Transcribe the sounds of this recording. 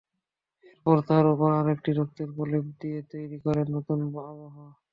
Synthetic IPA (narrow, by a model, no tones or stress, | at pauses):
poɾt̪ʰaɾupoɾaɾek̚ʈiɾok̚t̪oɾɡolebd̪ijet̪ojɾikɔɾennot̪unbaboɦo